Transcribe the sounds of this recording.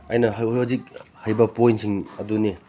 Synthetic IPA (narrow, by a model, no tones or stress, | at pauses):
ɐjnɐɦɐzik̚hɐjbɐpojntsʰiŋɐduni